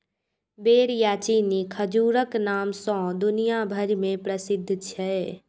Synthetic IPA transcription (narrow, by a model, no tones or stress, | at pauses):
beːɾjaːt͡ʃiːnikʰəd͡ʒuːɾəknaːmsɔ̃ːd̪ʊnijabʱəɾimẽpɾəsɪd̪ʱːt͡ʃʰɛː